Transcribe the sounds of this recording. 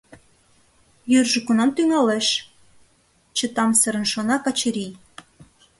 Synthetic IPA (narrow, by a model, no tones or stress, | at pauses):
jørʒə̆kunɑmt̪yŋɑleʃ | t͡ɕə̆t̪ɑmsəɾə̆nʃonɑkɑt͡ɕə̆ɾij